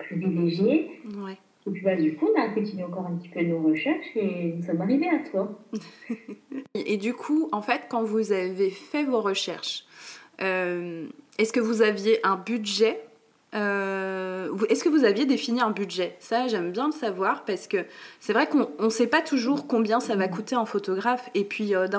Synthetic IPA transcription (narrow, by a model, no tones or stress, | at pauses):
pχivileʒjewɛ | epɥibad̪ykuɔ̃nakɔ̃t̪id̪ɛɑ̃kɔʁɛ̃pət̪i̥pød̪ənoʁəʃɛʁʃenusɔmaʁiveatwa | ʔed̪ykʰuɑ̃fɛt̪kɑ̃vuzavefɛvoʁəʃɛ̰ʁʃ | ømɛskəvuzavjeʔɛ̃byd̪ʒɛ | ø | vuɛskəvuzavjed̪efiniɛ̃byd̪ʒɛsaʒɛmbjɛ̃ləsavwaʁpaʁsə̥kəsɛvʁɛkɔ̃ɔ̃sɛpat̪uʒuʁkɔ̃bjɛ̃savakut̪eɛ̃fot̪ɔɡʁafepʰɥiød̪ɛ̃